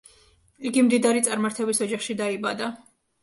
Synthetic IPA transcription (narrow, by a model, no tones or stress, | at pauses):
iɡimd̪id̪aɾit̪sʼaɾmaɾt̪ʰɛbisɔd͡ʒaχʃid̪aibad̪a